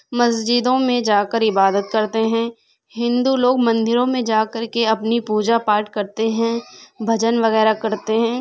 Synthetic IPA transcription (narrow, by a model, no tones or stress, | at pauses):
mɐsd͡ʒɪd̪õmẽd͡ʒaːkəɾɪbaːd̪ət̪̚kɐɾt̪eɦɛ̃ː | ɦɪ̃nd̪uloːɡmɐ̃nd̪ɪɾõmẽd͡ʒaːkɐɾkeɐpnipuːd͡ʒapaːɾʈkɐɾt̪eɦɛ̃bʱɐd͡ʒənʋɐɣɛːɾakɐɾt̪eɦɛ̃ː